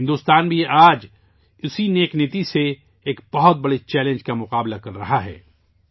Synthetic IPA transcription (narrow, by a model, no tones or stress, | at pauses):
ɪnd̪uːst̪aːnbʱiaːd͡ʒ | ʊsineːknɪt̪ise | eːkb̥ɐɦʊt̪̚bɐɽit͡ʃɛːlẽnd͡ʒkamʊqaːblakɐɾːɐɦaɦɛ̰ː